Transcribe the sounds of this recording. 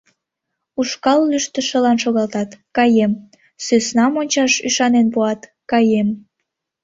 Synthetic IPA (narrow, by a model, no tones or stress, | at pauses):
uʃkɑlːyʃt̪ə̆ʃəlɑnʃoɣɑlt̪ɑt̪kɑjem | søsnɑmonʲt͡ɕɑʃyʃɑnenpuɑt̪ | kɑjem